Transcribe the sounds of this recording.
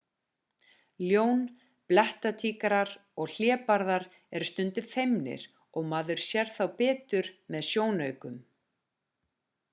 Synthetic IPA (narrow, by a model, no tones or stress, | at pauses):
ljoːwn | plɛht̪at̪ʰiːkaɾaɾɔɣl̥jɛːpaɾðaɾ | ɛɾst̪ʏnt̪ʏfejmnɪ̰ɾ̥ | ɔɣmaðʏɾ̥sjɛɾ̥θawpɛːt̪ʏɾmɛðsjoːwnœɥkʏm